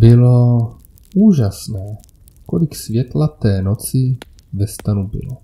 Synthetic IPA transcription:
bɪlo | uːʒasnɛː | kolɪksvjɛt̪lat̪ɛːnot͡sɪ | vɛst̪anubɪ̰lo

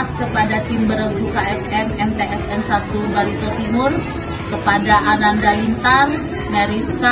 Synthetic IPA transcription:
t̪̚kəpadat̪imbəɾəɡukaɛsɛnɛmt̪eʔɛsɛnsat̪ubaɾit̪ot̪imʊr | kəpadaʔanandalint̪ar | maɾiska

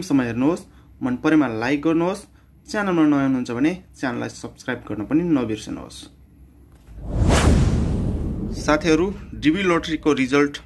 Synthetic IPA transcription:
msʌmːʌjɦernuɦos | mʌnpʌɾemalajk̚ɡʌrnuɦos | t͡sjanʌlmanʌɦeɦunuɦunt͡sʰʌbʱʌnet͡sjanʌla̰jsʌbskrajbɡʌrnʌpʌninʌbirsʌnṵɦo̰s | sat̪ʰiʌɾuɖibiloʈʌrikoɾid͡zʌlʈ

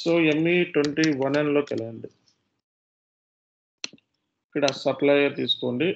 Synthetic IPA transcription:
soːemːiʈweɳʈiːʋɐnenlo̞ːkɛlɐɳɖi | ikːɐɽɐsɐplaːjɐɾt̪iːsu̥koːɳɖi

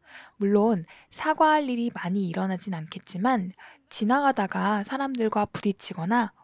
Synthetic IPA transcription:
muɭːon | sʰaɡwaɦaʎːiɾimaɲiːɾʌnad͡ʑinankʰe̞t̚t͡ɕ͈iman | t͡ɕinaɡadaɡasʰaɾamdɯɭɡwapuɾit͡ɕʰiɡʌna

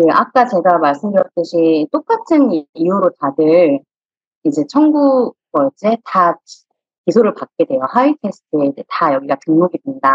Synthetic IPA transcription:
kɯʔak̚k͈at͡ɕe̞ɡamaɭs͈ɯmdɯɾjʌk̚t͈ɯɕʰit͈ok͈atʰɯnijuɾotadɯɾ | id͡ʑe̞t͡ɕʰʌŋɡuɡ̥ʌd͡ʑeta | kisʰoɾɯɭpat̚k͈e̞dwejohaitʰesʰɯ̥tʰɯeid͡ʑe̞tajʌɡiɡatɯŋmoɡidwenida

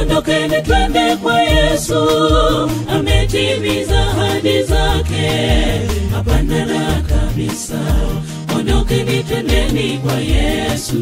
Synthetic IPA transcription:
ɔnɔkɛnitwɛndɛkwajɛsu | amɛtiβizahaɗizakɛ | hapanalakaɓisa | ɔnɔkɛnitɛndɛnikwajɛsu

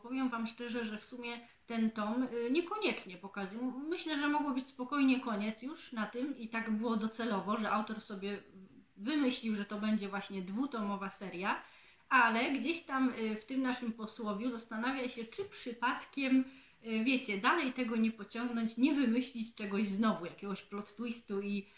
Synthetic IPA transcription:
pɔvʲjɛmvamʂt͡ʂɛʐɛʐɛfsumʲjɛ | t̪ɛnt̪ɔmɲɛkɔɲɛt͡ʂɲɛpɔkazujmɘɕlɛʐɛmɔɡwɔbɘt͡ɕʲspɔkɔjɲɛkɔɲɛt̪sjuʂnat̪ɘmit̪aɡbɘwɔd̪ɔt̪sɛlɔvɔʐɛʔawt̪ɔɾsɔbʲjɛ | vɘmɘɕlʲiwʐɛt̪ɔbɛɲd͡ʑɛvwaɕɲɛd̪vut̪ɔmɔvasɛɾja | alɛɡd͡ʑeɕt̪amft̪ɘmnaʂɘmpɔswɔvʲjuzast̪anavʲjaɕɛt͡ʂɘpʂɘpat̪kʲɛm | vʲjɛt͡ɕɛd̪alɛjt̪ɛɡɔɲɛpɔt͡ɕɔŋɡnɔɲt͡ɕɲɛvɘmɘɕlʲit͡ɕt͡ʂɛɡɔʑznɔvujakʲɛɡɔɕplɔt̪t̪wist̪ui

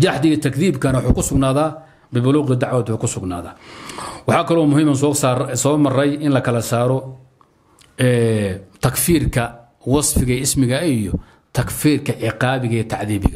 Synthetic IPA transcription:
d͡ʒɑħd̪ɪɣɐt̪ʰɐkðiːbkʰɐnɐwɑħuːkʰʊsʊɡnaːðaː | bɪbʊluːqɪd̪ɑʕwaːd̪bʊkʰʊsʊɡna̰ːða̰ːwɑħɑːkʰɐlɔːmʊɦiːmɐnssɔːmɐrɛjɪnlɐkʰɐlɐsaːɾɔ | ɛːt̪ʰɐkfiːrkʰɐ | wɑsfɪɣɐɪsmɪɣɐijɔ | t̪ʰɐkfiːrkʰɐʕɪqɑːβɪɣɐɛt̪ʰɑʕðiːβɪ̰ɣɐ

